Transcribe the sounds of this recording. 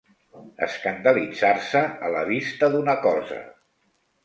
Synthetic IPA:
ə̰skənd̪əlid͡zarsəːləβist̪əðunəkɔzə̰

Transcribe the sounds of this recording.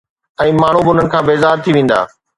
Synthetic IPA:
ɛ̃ːmaːɳ̤ubɪʊn̤ənɪ̆kʰãːbeːzaːɾt̪ʰiʋẽːn̆d̪a̰ː

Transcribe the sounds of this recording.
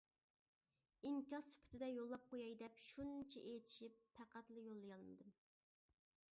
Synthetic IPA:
iŋkʲɑsy̥pʰy̥t̪ʰɪd̪ɛjolˠːɑp̚qʰojɑjd̪ɛpʃunt͡ʃʰɛʔet̪ʰi̥ʃipʰːæqæt̪lˠɨjolˠːɨjɑlˠmɨ̰d̪um

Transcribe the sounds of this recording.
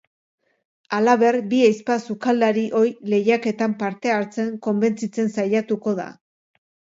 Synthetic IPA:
alaβe̞rbiajspasukald̪aɾiʔo̞jle̞jake̞t̪ampaɾt̪e̞aɾt͡se̞ŋko̞mbe̞nt͡sit͡se̞nsajat̪uko̞ða̰

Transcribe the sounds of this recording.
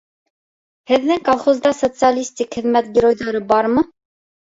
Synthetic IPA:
hɛd̪nɛŋkɑlχɔzd̪ɑsɔt͡sjɑlist̪ikʰənmɛt̪ɡiɾɔjd̪ɔɾəbɑɾmə

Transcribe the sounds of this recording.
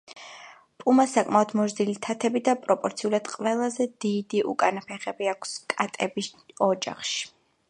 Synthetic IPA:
pʼumasakʼmaɔd̪mɔɾd̪ilit̪ʰat̪ʰɛbid̪apʼɾɔpʼɔɾt̪sʰiulˠad̪̥qʼwɛlˠazɛd̪id̪iʔṵkʼanapʰɛχɛbiakʷʰskʼat̪ʼɛbisɔd͡ʒa̰χʃi̥

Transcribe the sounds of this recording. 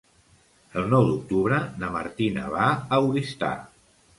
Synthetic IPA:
əlˠnɔwd̪uk̚t̪uβɾənəmə̰ɾt̪inə̰βaəwɾist̪a̰

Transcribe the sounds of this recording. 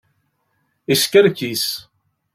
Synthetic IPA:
iskəɾkis

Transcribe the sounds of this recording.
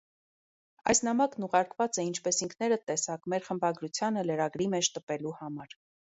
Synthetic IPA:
ɑ̰jsnɑmɑknuʁɑɾkvɑt͡sɛint͡ʃʰpɛsiŋkʰnɛɾət̪ɛsɑkmɛɾχəmbɑɡɾut͡sʰjɑnələɾɑɡɾimɛt͡ʃʰt̪əpɛluhɑmɑɾ

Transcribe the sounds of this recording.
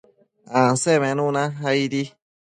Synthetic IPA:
ãsemẽnũnãɦaiɾi

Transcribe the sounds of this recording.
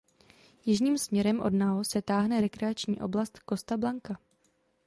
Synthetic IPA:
jɪʒɲiːmsmɲɛɾɛmʔo̞̰dnaosɛt̪aːɦnɛɾɛkɾɛat͡ʃɲḭːʔo̞blast̪ko̞st̪ablaŋka

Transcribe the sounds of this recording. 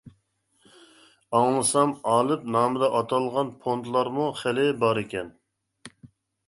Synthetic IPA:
ɑŋlˠɨsɑmɑːlˠɨp̚nɑːmɨd̪ɑʔɑt̪ʰɑlˠʁɑnpʰont̪ʰlˠɑɾmuχælɪbɑɾɪkʲɛn

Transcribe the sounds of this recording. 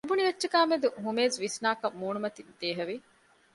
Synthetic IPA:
ɐbuniʋɐtːʃɐkaːmed̪uɦumeːzʋisnaːkɐmːuːnumɐt̪id̪̥eːɦɐʋi

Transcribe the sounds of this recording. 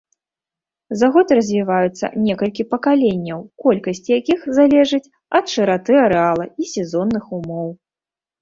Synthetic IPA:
zaɣɔt̪ɾɐzʲvʲivajut̪sːɐ̰nʲɛkɐlʲkʲipɐkalʲenʲːɐwkɔlʲkɐsʲt͡sʲijakʲixzalʲɛʐɨt͡sʲ | ɐt̪ʂɨɾat̪ɨɐɾɛalˠɐisʲɛzɔnːɨxumɔw

